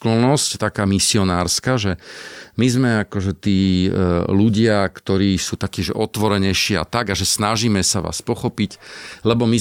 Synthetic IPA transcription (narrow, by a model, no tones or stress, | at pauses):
klɔnɔsct̪akaːmisiɔnaːɾskaʒɛmizmɛakɔʒɛt̪iː | luɟɪakt̪ɔɾiːsuːt̪akcɛʒɛɔt̪ʋɔɾɛɲɛjʃia̰t̪aɡaʒɛsnaʒiːmɛsaʋa̰ːspɔxɔpiclɛbɔmi